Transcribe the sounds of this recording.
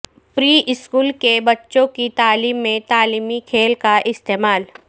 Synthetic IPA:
pɾiːʔɪskuːlkebɐtːʃõkit̪aːliːmːẽt̪aːliːmikʰeːlkaʔɪst̪eːmaːl

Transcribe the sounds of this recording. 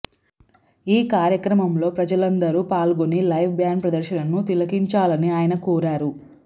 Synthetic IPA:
iːkaːɾjɐkɾɐmɐmlo̞ːpɾɐd͡ʒɐlɐnd̪ɐɾuːpaːlɡonilɐjʋbjaːnpɾɐd̪ɐɾʃɐnɐnːut̪ilɐkiɲt͡ʃaːlɐniaːjɐnɐkuːɾaːɾu

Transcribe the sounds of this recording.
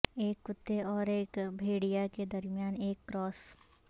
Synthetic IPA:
eːkːʊt̪ːeɔːɾeːkbʱeːɽijaked̪ɐɾmjaːneːkːɾɔːs

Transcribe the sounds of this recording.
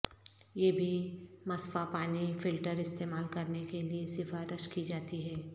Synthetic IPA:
jeːbʱimɐsfapaːnifɪlʈəɾɪst̪eːmaːlkɐɾnekeliesɪfaːɾɪʃkid͡ʒaːt̪iɦɛː

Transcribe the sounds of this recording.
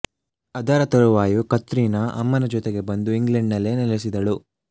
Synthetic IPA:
ɐd̪ɐɾɐt̪ɐɭuʋaːjukɐt̪ːɾiːnɐʔɐ̰mːɐnɐd͡ʒɔt̪eɡe̞bɐnd̪uiŋɡlɐɳɖnɐlːe̞nɛles̬id̪ɐɭu

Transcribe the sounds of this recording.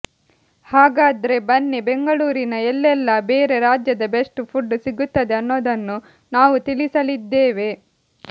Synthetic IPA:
haːɡaːd̪ɐɾe̞bɐnːebeŋɡɐɭuːɾinɐɛlːɛlːɐbeːɾe̞ɾaːd͡ʒjɐd̪ɐbeʂʈupʰuɖːusiɡut̪ːɐd̪e̞ɐnːo̞ːd̪ɐnːu | naːʋut̪ilisɐlid̪ːeːʋe̞

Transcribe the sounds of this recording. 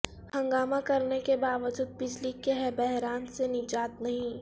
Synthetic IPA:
hɐ̃ŋɡaːmãkɐɾnekebaːʋəd͡ʒuːd̪̚bɪd͡ʒlikeɦɛbɛɦɾaːnsenɪd͡ʒaːt̪nɐɦĩ

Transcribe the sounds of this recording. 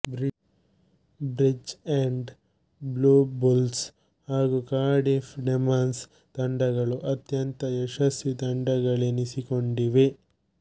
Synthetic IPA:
bɾi | bɾid͡ʒeɳɖ | bluːbuls | haːɡukaːɾɖefɖemaːns | t̪ɐɳɖɐɡɐɭuʔɐt̪jɐnt̪ɐɛʃɐsit̪ɐɳɖɐɡɐɭenisikoɳɖiʋe

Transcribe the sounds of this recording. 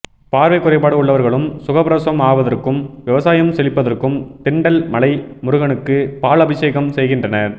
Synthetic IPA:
paːɾʋɐɪkːʊɾɐɪpːaːɽɯʊɭːɐʋɐɾɣɐɭɯmsʊɣɐpɾɐsɐmaːʋɐðɐrkɯmʋɪʋɐsaːjɐmsɛlɪpːɐðɐrkɯmt̪ɪɳɖɐlmɐlɐɪmʊɾʊɣɐnɯkːɯpaːlɐbɪʂeːɣɐmsɛjɣɪndrɐnɐɾ

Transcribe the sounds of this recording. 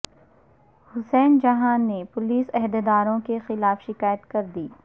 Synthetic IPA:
hʊsɛːnd͡ʒɐɦaːnːepʊliːsɛɦd̪ed̪aːɾõkexɪlaːfʃɪkaːjət̪kɐɾd̪iː

